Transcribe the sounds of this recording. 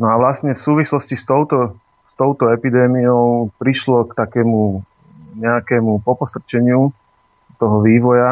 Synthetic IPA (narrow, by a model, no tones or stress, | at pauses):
nɔaʋlast̪ɲɛfsuːʋislɔscist̪ɔʊt̪ɔ | st̪ɔʊt̪ɔɛpid̪ɛːmijɔʊpɾiʃlɔkt̪akɛːmu | ɲɛakɛːmupɔpɔst̪rt͡ʃɛɲɪu | t̪ɔɦɔʋiːʋɔja